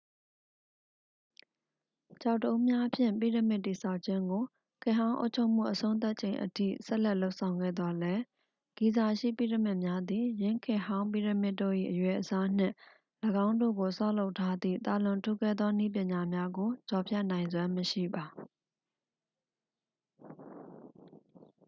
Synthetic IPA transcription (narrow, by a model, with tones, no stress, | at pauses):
t͡ɕa˦˨ʊtːəʔũ˦mja˦ʔpʰjɪ̰̃˦˨mpḭ˦˨ɾə˦˨mɪ˦ʔtːi˨sʰa˦˨ʊʔt͡ɕʰɪ̃˦ŋɡo˨ | kʰɪ̃˦˨ɦã˦ʔo̰˦ʊʔt͡ɕʰo˦ʊm̥ṵ˦˨ʔəsõ˦ʊ̃t̪̬a˦ʔt͡ɕʰẽ˨ɪ̃ʔətʰḭ˦˨sɛ˦ʔlɛ˦ʔlo˦ʊʔsʰã˨ʊ̃ŋɡɛ̰˦˨d̪ðɔ˦lɛ˦ | ɡ̥i˨za˨ʃḭ˦˨pḭ˦˨ɾə˨mɪ˦ʔmja˦d̪i˨jɪ̃˦kʰɪ̃˨ɦã˦ʊ̃mp̬ḭ˦˨ɾə˨mɪ˦tːo̰˦˨ʔḭ˦˨ʔəjwɛ˨ʔəsa˦n̥ɪ̰̃˦˨ | ləɡã˦ʊ̃ndo̰˦˨ɡo˨sa˦ʊlo˦ʊtʰa˦d̪ḭ˦˨t̪a˨lʊ̃˨ntʰu˦˨kɛ˦˨d̪ðɔ˦nḭ˦˨p̬jɪ̃˨ɲa˨mja˦ɡo˨t͡ɕɔ˨pʰjɛ˦ʔnã˨ɪ̃nzwã˦məʃḭ˦˨ba˨